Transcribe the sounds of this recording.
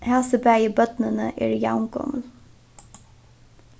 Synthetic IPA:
hɛlsəbæjəbœt̪nənəʔḛːɹjaʊŋɡɔ̰məl

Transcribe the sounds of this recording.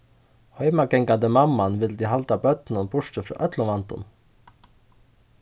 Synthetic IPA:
hœʏmɑɡɛŋɡand̪əmɑmːɑnʋɪld̪iːhalt̪ɑbœt̪nənbʊʂtəfɾɑ̰ːʔœt̪lɔʋɑnt̪ʊ̰n

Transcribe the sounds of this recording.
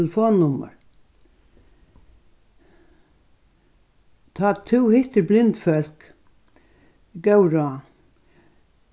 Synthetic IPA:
ləfoːnːʊmə̰ɾ | t̪ʰaːt̪ʰuwhɪht̪əɾblɪnt̪fœlk | ɡœwɾa

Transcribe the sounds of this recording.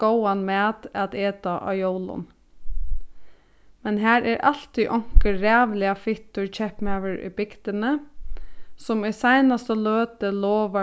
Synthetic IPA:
oʊɑnmɛːd̪ɑt̪eːt̪ɑʔɑ̰ːjoʊlʊ̰n | mɛnɦæːɾʔæːɾʔɑ̰l̥t̪iʔɔŋ̥kəɾæːʋlɪɑfɪt̪ʊɹc͡çɛpmæʋəɹḭbɪkt̪ənə | sɔmɛsæɪnɑst̪əløːt̪əloːʋɑ

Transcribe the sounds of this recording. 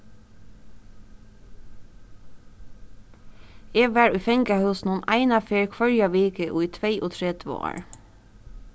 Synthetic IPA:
eːɡʋæːɹʉːfɛŋɡɑhœːsn̩ʊːnʔæɪnɑfeːɹkʰʋœɹjɑʋeːkəʔo̰ːiːt̪ʰʋeɪʔoːt̪ʰɹɛd̪ʋo̰ːɹ

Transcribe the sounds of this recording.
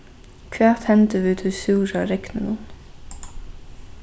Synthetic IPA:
kʰʋeːʁt̪hɛnt̪əʋʉːt̪ʰʉːsʉːɾɑːɾɛknənuːn

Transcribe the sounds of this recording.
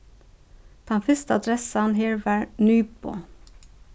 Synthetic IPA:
d̪̥ʰɑnfɪst̪əɑd̪ɾɛsɑnheːɹʋæɹnyːpo̰ː

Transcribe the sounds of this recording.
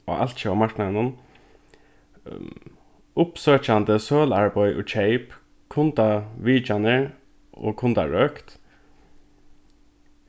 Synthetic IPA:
ɔ̰ʔa̰lt̪t͡ʃəamaɹknanʊn | ʊpsøːt͡ʃand̪əsøːlaɹbɔʏʔʊ̰t͡ʃʰɛɪp | kʰʊnt̪aʋiːt͡ʃanəɹ | o̰ːkʰʊnt̪a̰ɹœːkt̪

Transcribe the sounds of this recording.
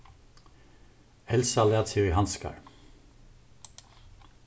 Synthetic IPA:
hɛlsɑleɑt̪ʰyhɑnskɑ̰ɹ

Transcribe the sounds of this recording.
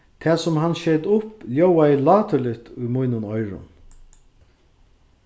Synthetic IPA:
t̪ʰɛːsʊmhanːʃɛːd̪ʊpljowaɪlɑːt̪ʊlɪt̪ʊjmujnʊnɔjɾʊ̰n

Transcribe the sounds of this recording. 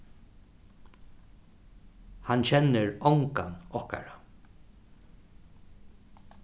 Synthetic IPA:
hant͡ɕʰɛnːɪɹɔwŋkanɔhka̰ɹa

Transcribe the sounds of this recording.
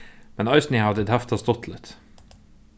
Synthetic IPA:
mɛnɑʏsnɪhɑd̪əd̪hæft̪ʰɑst̪ɔt̪ʰlɪt̪

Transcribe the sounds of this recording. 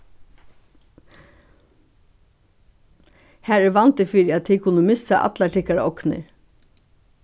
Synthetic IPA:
hæːɹɛʋɑnt̪əfiːɾɪɑt̪̚ʰiːkʰʊnəmɪsaʔɑ̰t̪lɑʈɪkaɾʔɔknə̰ɾ

